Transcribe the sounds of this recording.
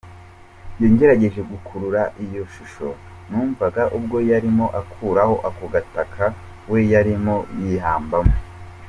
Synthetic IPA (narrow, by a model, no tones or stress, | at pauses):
jeːɲɟe̞ɾaɟe̞ʒe̞ɡukʰuɾuɾaʔijo̞ʃuʃo̞̰ | nuːɱvaɡaʔub̚ɡo̞jaɾimo̞ʔakʰuːɾaho̞ʔakoɡatakʰa | wejaɾimo̞jiɦaːmbamo